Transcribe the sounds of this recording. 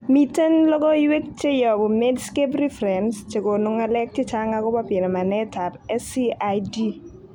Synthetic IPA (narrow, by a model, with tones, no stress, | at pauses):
mi˦te˦nlɔ˦ɡɔ˦jwe˦k̚t͡ʃe˦jɔ˨bʊ˨me˦dske˦pɾi˦fɾe˨nst͡ʃe˨ko˨no˨ŋa˨lɛ˦k̚te˦t͡ʃa˦ŋa˦ɡʊ˦pɔ˦pɪ˨nɔ˨ma˨nɛ˦ta˨pɛ˦si˦adi˦